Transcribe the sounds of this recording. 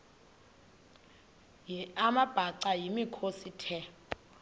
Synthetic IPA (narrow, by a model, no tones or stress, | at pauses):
jiamab̥ʱaǀajimikʰositʰɛp